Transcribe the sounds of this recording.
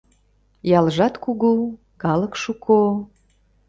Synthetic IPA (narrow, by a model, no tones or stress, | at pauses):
jɑlʒɑt̪kuɣu | kɑləkʃukʰo